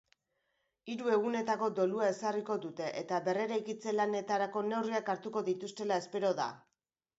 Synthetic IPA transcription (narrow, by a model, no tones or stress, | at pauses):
iɾue̞ɣ̞une̞t̪ako̞d̪o̞luae̞sariko̞d̪ut̪e̞ʔet̪aβe̞re̞ɾajkit͡se̞lane̞t̪aɾako̞ne̞wriakaɾt̪uko̞ðit̪ust̪e̞lae̞spe̞ɾo̞ða̰